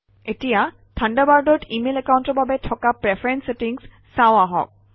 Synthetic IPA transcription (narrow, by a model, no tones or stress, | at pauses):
etija | tʰandabaɹdɔtimelɛkawuntɔɹbabɛtʰɔkapɹepʰaɹɛnsetiŋs | saoaɦɔ̰k̚